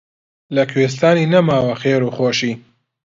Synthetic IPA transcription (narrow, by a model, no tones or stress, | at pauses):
lɐkʰweːs̬t̪aːniːnɐmaːwɐxeːɾuːxoːʃiː